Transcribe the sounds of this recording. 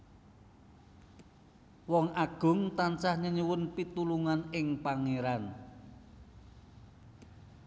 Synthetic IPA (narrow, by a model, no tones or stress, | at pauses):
wɔŋʔaɡ̥ʊ̤ŋt̪ant͡ʃahɲəɲuwʊnpit̪uluŋanɪŋpaŋeɾan